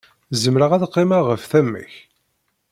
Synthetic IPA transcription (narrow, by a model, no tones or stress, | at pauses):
zəmɾəʁæðqːemaʁəfθæmːə̰ç